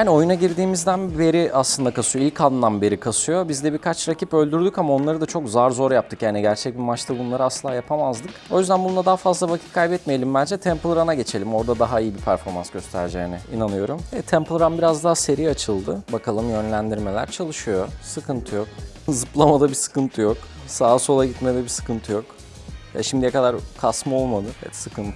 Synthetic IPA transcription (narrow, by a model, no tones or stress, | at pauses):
aːnio̞junaɟiɾd̪iːmizd̪ænbe̞ɾiʔaslˠɯnd̪akasɯjoilʲcʰanːanbeɾikʰasɯjo̞bizd̪ɛbiɾkʰat͡ʃɾacʰipø̞lʲd̪yɾd̪ycamao̞nlˠaɾɯd̪at͡ʃʰo̞kzaɾzo̞ɾjap̚t̪ʰɯkjaːniɟæɾt͡ʃʰɛc̚bimat͡ʃt̪ʰabunlˠaɾɯasɯlˠaːjapʰamazd̪ɯko̞jyzd̪ænbunlad̪aɦafazlˠavacʰi̥t̪̚kʰajbɛt̪mejelʲimbænd͡ʒɛt̪ʰɛmplˠɾanaɟe̞t͡ʃʰe̞lʲimo̞ɾd̪ad̪aɦaijibipʰæɾfo̞ɾma̰nsɟ̥ø̞st̪ʰæ̰ɾd͡ʒɛ̰ːnɛḭnanɯjo̞ɾumɛt̪ʰɛmplˠɾanbiɾazd̪aɦase̞ɾijat͡ʃʰɯlˠd̪ɯbakʰalˠɯmjø̞nlʲænd̪iɾme̞lʲæ̰ɾt͡ʃʰalˠɯʃɯjosɯkʰɯnt̪ʰɯjok̚ | zɯplˠamad̪abisɯ̥kɯnt̪ʰɯjok | saːso̞lˠaɟit̪med̪ɛbisɯ̥kɯnt̪ʰɯjo̞k | jɛ̰ʃimd̪ijɛkʰad̪aɾkʰasmɯo̞lˠmad̪ɯɛɛ̰t̪sɯkɯnt̪ʰ